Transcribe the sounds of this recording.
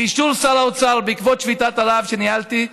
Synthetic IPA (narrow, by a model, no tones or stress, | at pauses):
iʃulsalaot͡salbeikvot̪ʃvit̪at̪alavʃenialt̪i